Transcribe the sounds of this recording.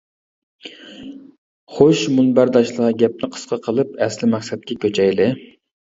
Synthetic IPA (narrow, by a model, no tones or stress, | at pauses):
χoʃmunbæɾd̪ɑʃlˠəʁɑɡʲɛp̚nɪqʰə̥sqʰɑqʰəlˠɨpɛslɪmɛχsɛt̪̚kʲʰɛkʲʰøt͡ʃʰɛjlɪ